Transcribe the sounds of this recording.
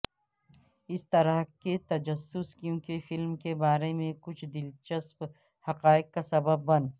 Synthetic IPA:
ɪst̪ɐɾəɦket̪ɐd͡ʒɐsːʊskjũːkefɪlmkebaːɾemẽkʊt͡ʃʰd̪ɪlt͡ʃɐsp | hɐqaːɪq̚kasɐbəbːɐn

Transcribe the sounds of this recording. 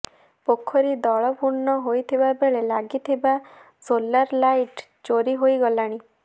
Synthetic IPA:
pokʰːɔɾid̪ɔɭɔpuɾnɔɦojt̪ʰibabeɭelaɡit̪ʰiba | solaɾlajʈ | d͡ʒoɾiɦojɡɔlaɽ̃i

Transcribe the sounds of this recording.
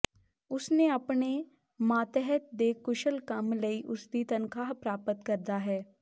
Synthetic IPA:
ʊsneɐpne | mãːt̪ɛɦət̪̚d̪ekʊʃəlkəmləiʔʊsd̪it̪ɐnkaːɦpɾaːpət̪kəɾd̪aːɦɛː

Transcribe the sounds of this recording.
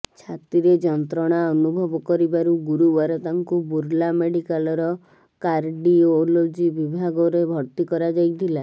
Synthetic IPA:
t͡ʃʰat̪ɾiɾed͡ʒɔnt̪ɾɔɽ̃aɔnubʱɔbɔkɔɾibaɾuɡuɾuwaɾɔt̪aŋkubuɾlameɽikalɔɾɔ | kaɾɖiolod͡ʒibibʱaɡɔɾebʱɔɾt̪ikɔɾad͡ʒajt̪ʰila

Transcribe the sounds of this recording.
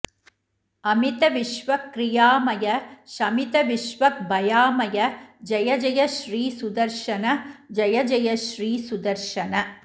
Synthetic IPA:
ɐmɪt̪ɐʋɪʃʋɐkːɾɪjaːmɐjɐʃɐmɪt̪ɐʋɪʃʋɐk̚bɐjaːmɐjɐd͡ʒɐjɐd͡ʒɐjɐʃɾiːsʊd̪ɐɾʂʃɐnɐd͡ʒɐjɐd͡ʒɐjɐʃɾiːsʊd̪ɐɾʃɐnɐ

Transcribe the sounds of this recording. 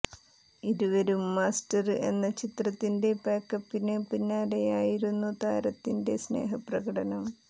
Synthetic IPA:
iɾuʋɐɾumːaːstɐre̞̰nːɐt͡ɕit̪rɐt̪ːinde̞paːkːɐpːinepinːaːɾe̞jaːjiɾunːut̪aːɾɐt̪ːinde̞sne̞̰ːɦɐprɐɡɐɽɐnɐm

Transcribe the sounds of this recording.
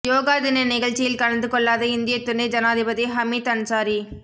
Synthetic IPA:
joːɣaːðɪnɐnɪɣɐɭt͡ʃɪjɪlkɐɭɐnd̪ɯkɔɭːaːðɐɪnd̪ɪjɐt̪ːʊɳːɐɪd͡ʒɐnaːðɪbɐðiɦɐmiːt̪ɐɳsaːɾi

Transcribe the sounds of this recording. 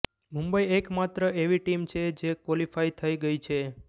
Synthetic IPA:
mũmbəiekmat̪ɾəeʋiʈimt͡ʃʰed͡ʒekwɔlifait̪ʰəiɡəit͡ʃʰe

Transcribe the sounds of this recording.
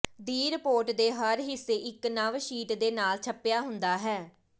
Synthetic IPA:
d̪iːɾpoːɾʈd̪eːɦəɾɦɪsːeːʔɪknəʋʃiːʈd̪eːnaːlt͡ʃʰəpɪjaːɦʊnd̪aːɦɛː

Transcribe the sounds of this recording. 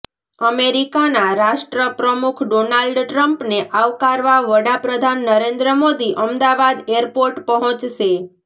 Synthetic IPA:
əmeɾikanaɾaʃʈɾəpɾəmukʰɖonalɖʈɾəmpneʔaʋkaɾʋaʋəɽapɾəd̪ʱanːəɾend̪ɾəmod̪iʔəmd̪aʋad̪eəɾpoɾʈpəɦɔ̃t͡ʃʃe

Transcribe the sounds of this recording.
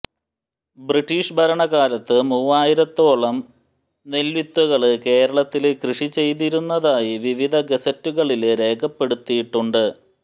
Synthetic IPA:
briʈːiːʂbʱɐɾɐɳɐɣaːlɐt̪ːɨmuːʋaːjiɾɐt̪ːo̞ːɭɐm | nelʋit̪ːuɣɐɭɨke̞ːɾɐɭɐt̪ːilkrɨʂit͡ɕe̞jt̪̬iɾunːɐðaːjiʋiʋid̪ʱɐɡesɐtːuɣɐɭilɾe̞ːkʰɐpːe̞ɽut̪ːijiʈːuɳɖɨ

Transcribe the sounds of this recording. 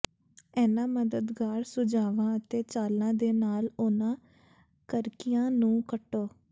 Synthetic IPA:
ɛːnãːməd̪əd̪ɡaːɾsʊd͡ʒaːʋãːət̪eːt͡ʃaːlnãːd̪eːnaːlʊnãː | kəɾkijãːnũːkəʈːoː

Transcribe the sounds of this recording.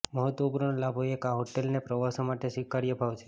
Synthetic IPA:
məɦət̪ʋəupɾəɳlabʱojekaɦoʈelnepɾəʋasomaʈesʋikːaɾjəbʱaʋt͡ʃʰe̥

